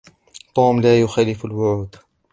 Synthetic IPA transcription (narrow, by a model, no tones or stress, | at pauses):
t̪ˤuːmlaːjʊxaːlɪfalwʊʕuːd̪